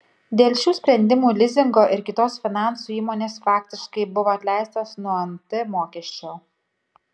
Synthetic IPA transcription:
d̪ʲeːlʲˠʃʲuːsʲpʲɾʲɛnʲd̪ʲɪmuːlʲɪzʲɪŋɡoːʔɪɾkʲɪt̪oːsfʲɪnɑˑnsuːiːmoːnʲeːsfɑːkʲt̪ʲɪʃkɐɪbʊʋoːɐt̪ʲlʲæˑɪst̪oːsnuɔɐnt̪ʲɪmoːkʲɛʃʲt͡ʃʲoː

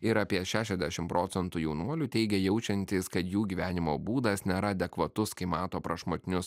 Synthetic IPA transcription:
ɪɾɑːpʲiɛʃʲæːʃʲɛzʲd̪ʲæʃʲɪmpɾʔoːt̪sʲɛnt̪uːjɛʊnuɔlʲut̪ʲɛɪɡʲɛjɛʊt͡ʃʲɛnʲt̪ʲiskɐt̪juːɡʲiːʋʲæːnʲɪmoːbuːd̪ɐsnʲɛɾɐd̪ʲɛkʋɐt̪ʊskɐɪmɑːt̪oːpɾɐʃmoːt̪ʲɪnʲʊs

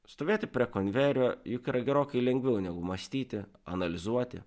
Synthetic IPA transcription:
st̪oːʋʲeːt̪ʲɪpʲɾʲiɛkonʲʋʲɛːɾʲoːjʊkiːɾɐɡʲɛɾoːkʲɛɪlʲɛŋʲɡʲʋʲɛʊnʲɛɡʊmɐsʲt̪ʲiːt̪ʲɪɐ̰nɐlʲɪzuɔt̪ʲɪ̰

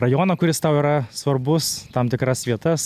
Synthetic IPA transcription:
rɐjonɐkʰʲʊɾʲɪst̪ɑwiɾɑsoɾbʊst̪ʰɑmt̪ɪkɾɑsʲvʲeːt̪əs

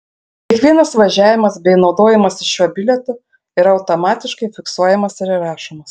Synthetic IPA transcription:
kʲɛkʋʲiɛnɐsʋɐʒʲæːʋʲɪmɐsbʲɛɪnɒʊd̪oːjɛmɐsɪʃʃʲuɔbʲɪlʲɛt̪ʊ | ɪːɾɐɐʊt̪ɔmɑːt̪ʲɪʃkɐɪfʲɪksuɔjɛmɐsɪɾɪɾɑːʃomɐs

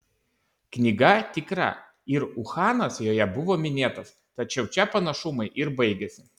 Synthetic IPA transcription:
knʲiɡɐt̪ʲɪkɾɐ̰ | ɪɾʊxɑːnɐsjoːjɛbʊʋoːmʲɪnʲeːt̪ɐs | t̪ɐt͡ʃʲɛʊt͡ʃʲɛpɐnɐʃʊmɐɪʔɪɾbɐɪɡʲɛsʲɪ

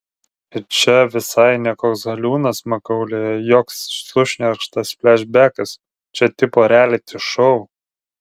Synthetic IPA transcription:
ɪt͡ʃʲɛʋʲɪsɐɪnʲɛkoːksɡɐlʲuːnɐsmɐkɐʊlʲejɛjoːksʃˠʊʃʲnʲɪɐɾkʃt̪ɐssʲpʲlʲæːʃʲbʲæːkɐs | t͡ʃʲɛt̪ʲɪpoːɾʲæːlʲɪt̪ʲɪʃɔʊ

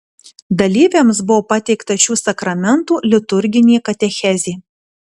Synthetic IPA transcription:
d̪ɐlʲiːʋʲemsbʊʋoːpɐt̪ʲɛɪkt̪ɐʃʲuːsɐkɾɐmʲɛnt̪uːlʲɪt̪ʊɾʲɡʲɪnʲiːkɐt̪ʲɛxʲɛzʲeː

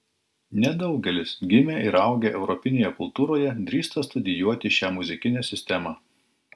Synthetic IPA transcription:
nʲɛd̪ɒʊɡʲɛlʲɪsɡʲɪmʲeʔɪɾɐʊɡʲeːʔɛʊɾɔpʲɪnʲeːjɛkʊlˠt̪uːɾoːjɛd̪ʲɾʲiːst̪ɐst̪ʊd̪ʲɪjuɔt̪ʲɪʃʲæːmʊzʲɪkʲɪnʲɛːsʲɪsʲt̪ʲɛmɑː

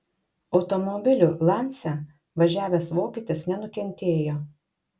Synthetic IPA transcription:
ɒʊt̪ɔmɔbʲɪlʲʊlˠɑˑnʲt̪sʲɛ | ʋɐʒʲæːʋʲeːsʋoːkʲit̪ʲɪsnʲɛnʊkʲɛnʲt̪ʲeːjoː

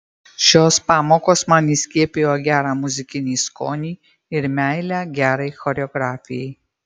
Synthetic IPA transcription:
ʃʲoːspɑːmoːkoːsmɑːnisʲkʲiɛpʲejoːɡʲæːɾɑːmʊzʲɪkʲɪnʲiːsko̰ːnʲiː | ɪɾmʲæˑɪlʲæːɡʲæːɾɐɪxɔɾʲɛɔɡɾɑːfʲɪjɛɪ

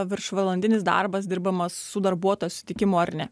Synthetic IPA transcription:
ʋʲɪɾʃʋɐlˠɐnʲd̪ʲɪnʲɪsd̪ɑ̰ɾbɐsd̪ʲɪɾbɐmɐsːʊd̪ɐɾbuɔt̪oːjsʊsʲɪt̪ʲɪkʲɪmoːɐɾʲnʲɛ

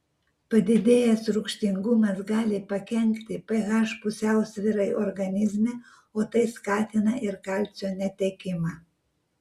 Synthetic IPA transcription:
pɐd̪ʲɪd̪ʲeːjɛsɾʊkʃʲt̪ʲɪŋɡʊmɐsɡɑːlʲɪpɐkʲɛŋʲkt̪ʲɪpʲɐɣɑʃpʊsʲɛˑʊsʲʋʲɪɾɐɪɔɾɡɐnʲɪzʲmʲɛ | oːt̪ɐɪskɑːt̪ʲɪnɐʔɪɾkɑlʲt͡s̪ʲoːnʲɛt̪ʲɛkʲɪmɑː

